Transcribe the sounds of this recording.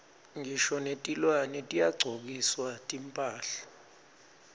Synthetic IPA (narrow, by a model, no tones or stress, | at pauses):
ŋiʃɔnetʼilwanɛtʼijaɡ͡ǀʱok̬iswatʼimpʼaːɬḁ